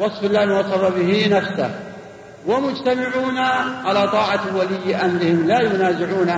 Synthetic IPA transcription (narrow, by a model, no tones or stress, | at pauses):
wɑsˤfɪlːaːwɑsɑrˤːɑbɪɦɪnafsa̰h | wamʊd͡ʒt̪amɪʕuːnaʕalaːt̪ˤɑːʕawalɪjːɪʔamɾɪhɪmlaːjʊnaːzɪʕuːna